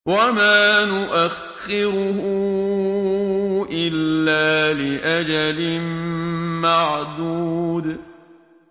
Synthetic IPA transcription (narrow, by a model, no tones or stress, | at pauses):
wamaːnʊʔax | ɪɾʊhʊ | ʔɪlːaːlɪʔad͡ʒalɪmmaʕd̪ud̪